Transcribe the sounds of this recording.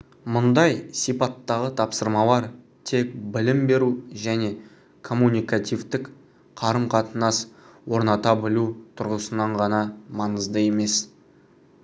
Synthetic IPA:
mʊnd̪ɑjsijpɑt̪ːɑʁət̪ʰɑpsəɾmɑlˠɑɾ | t̪ʰe̞k̚bɪlɪmbe̞ɾuʒæne̞ | kʰo̞mːunʲijkat̪ijvt̪ɪk | qʰɑɾəmqʰɑt̪ənɑswo̞ɾnɑt̪ɑbɪlut̪ʰʊɾʁəsənɑɴʁɑnɑmɑnəzd̪əe̞me̞s

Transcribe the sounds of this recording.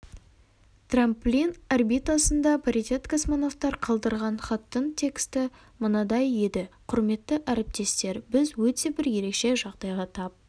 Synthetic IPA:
t̪ramplʲinarbijt̪asənd̪ɑpʰaɾit̪ʲe̞t̪kasmono̞ft̪ɑɾqʰɑlˠd̪əɾʁɑnχɑt̪ːənt̪ʲʰe̞kst̪ɪ | mʊnɑd̪ɑje̞d̪ɪqʰʊɾme̞t̪ːəʔæɾɪp̚t̪e̞st̪e̞ɾbɪzwɵt̪e̞bɪɾje̞ɾe̞kʃe̞ʒɑʁd̪ɑjʁɑt̪ʰɑp̚

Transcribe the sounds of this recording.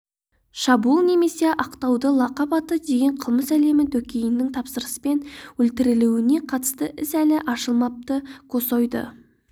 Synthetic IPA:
ʃɑbulˠne̞me̞se̞ʔɑqt̪ɑwd̪əlˠɑqɑpɑt̪əd̪e̞ɡʲe̞ɴqʰəlˠməsæle̞mɪt̪ʰɵkʲejɪnːɪŋt̪ʰɑpsəɾəsə̥pe̞nwɵlt̪ɪɾɪluwɪne̞qʰɑt̪ə̥st̪əʔɪsælɪʔɑʃəlˠmɑp̚t̪əkʰo̞sojd̪ə̰

